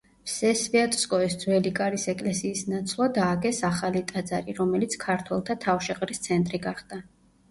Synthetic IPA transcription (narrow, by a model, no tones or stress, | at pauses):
pʰsɛsviat̪ʼskʼɔisd̪zwɛlikʼaɾisɛkʼlɛsiːsnat̪sʰlˠad̪aːɡɛsaχalit̪ʼad̪za̰ɾiɾɔmɛlit̪sʰkʰaɾt̪ʰwɛlˠt̪ʰat̪ʰafʃɛqʼɾist̪sʰɛnt̪ʼɾiɡaχd̪̥a